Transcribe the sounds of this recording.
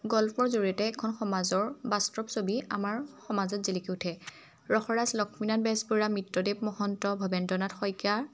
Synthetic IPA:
ɡɔlpʰɔɹzoɹijɔtɛːkʰɔnxɔmazɔɹbastɹɔpsobia̰maɹxɔmazɔtzilikiʊtʰɛ | ɹɔxɔɹaslɔkʰminanbɛsbuɹamitːɔdep̚mɔhɔntɔbʱɔbɛndɔnatxɔjka

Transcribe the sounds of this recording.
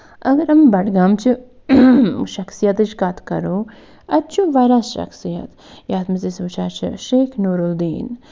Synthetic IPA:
ɐɡɐɾɐmbɐʈɡaːmt͡ʃʰɨ | ʃɐksijɐt̪ɨt͡ʃkat̪ʰkɐ̰ɾoː | ɐt͡ʃʰuʋaːɾasʃɐ̰ksijɐ̰t̪ | jaːt̪mɐsesuːt͡ʃʰaːt͡ʃʰḭʃeːkʰnoːɾuld̪iːn

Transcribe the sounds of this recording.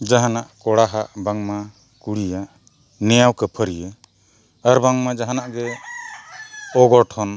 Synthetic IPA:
d͡ʒaɦanaʔkɔɽaɦaʔbaŋma | kuɽijaʔ | nɛjawkəpʰəɾijə | əɾbaŋmad͡ʒaɦanaʔɡɛ | ɔɡɔʈʰɔn

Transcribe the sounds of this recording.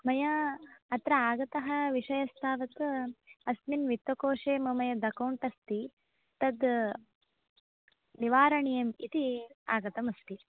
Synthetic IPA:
mɐjɐːt̪ɾɐaːɡɐt̪ɐɦɐ̆ʋiʂɐjɐst̪ʰaːʋɐt̪ɐsminʋit̪ːɐkoːʂeːmɐmɐjɐd̪ɐkɐwɳʈɐst̪i | t̪ɐd̪ | niʋaːɾɐɳijɐmit̪iaːɡɐt̪ɐmɐst̪i

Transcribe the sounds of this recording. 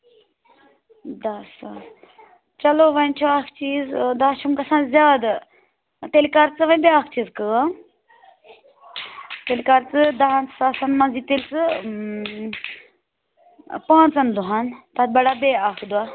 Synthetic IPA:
d̪ɐs | t͡ʃɐloːʋɐnt͡ʃʰoakʰt͡ʃiːzd̪aːʃʰumkɐsãːnzjaːd̪ | t̪elkɐɾt͡sɨʋɐnbeaːkʰt͡ʃiːzkɨa | t̪elkɐɾt͡sɨd̪ɐɦnt͡ssaːsɐnmɐ̃ziːt̪elt͡sɨ | pãːnt͡sɐnd̪uɦant̪ɐt̪̚bɐɽabeakʰd̪ua

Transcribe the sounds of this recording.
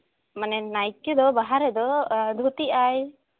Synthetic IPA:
manɛnajkːɔd̪ɔbaɦaɾɛd̪ɔd̪ʱut̪iaj

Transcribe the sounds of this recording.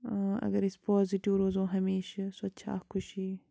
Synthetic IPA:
ɐ̰ɡɐɾɪspɔːziʈiʋɾoːzõːɦɐmeːʃsɐtːʃʰa̰ːkʰʊʃiː

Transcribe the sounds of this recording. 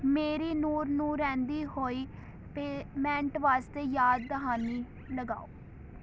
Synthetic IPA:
meːɾiːnuːɾnũːɾɛ̃ːnd̪iːhoːiː | peːmɛ̃ːɳʈʋaːst̪eːjaːd̪̚ːəɦaːniː | ləɡa̰ːoː

